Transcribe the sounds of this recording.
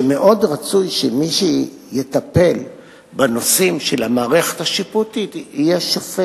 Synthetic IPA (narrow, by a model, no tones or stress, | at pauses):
me̞ʔo̞dʁat͡sujʃemiʃi | jet̪ape̞l | bano̞simʃelamaːʁeχethaʃiputit̪ijeʃofe